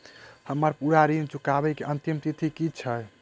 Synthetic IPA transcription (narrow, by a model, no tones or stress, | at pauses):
həmːəɾpuɾaɾint͡ʃukabɛkiʔənt̪imt̪it̪ʰikit͡ʃʰə